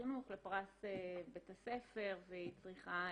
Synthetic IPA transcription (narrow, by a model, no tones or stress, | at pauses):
inuχlepʁasebet̪ase̞fe̞ʁveit͡sʁiχa